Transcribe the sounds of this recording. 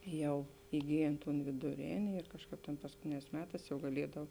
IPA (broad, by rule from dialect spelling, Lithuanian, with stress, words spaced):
ˈjɛʊ ɪˈɡʲiːjeːn toːn ʋʲeːdʊˈrʲeːnʲɪ ɪr ˈkɑːʃˌkɑːp tʲeːn pɐskʊˈtʲeːnʲɛːs ˈmʲæːˌtɑːs jɛʊ ɡɐˈlʲiɛdɐw